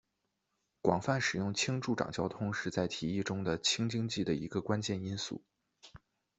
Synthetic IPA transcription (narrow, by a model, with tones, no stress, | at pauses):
kwɑ˨˩ŋfa˥˩nʂɻ̩˨˩jʊ˥˩ŋt͡ɕʰi˥ŋʈ͡ʂu˥˩ʈ͡ʂɑ̰˨˩ŋt͡ɕjɑ˥ʊt̪ʰʊ˥ŋʂɻ̩˥˧t͡sa˥˩ɪt̪ʰi˨˧˥i˥˩ʈ͡ʂʊ˥ŋd̪ə˨t͡ɕʰi˥ŋt͡ɕi˥ŋt͡ɕi˥˩d̪ə˩i˧˥ɡə˧kwa˥nt͡ɕjɛ˥˩ni˥nsṵ˥˩